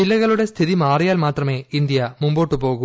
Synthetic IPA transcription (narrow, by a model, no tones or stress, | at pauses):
ɪlːɐɣɐɭɯɽɐst̪ʰɪðimaːɾɐjaːlmaːt̪rɐmeːɪnd̪ɪjaːmʊmboːʈːɯpoːɣɯ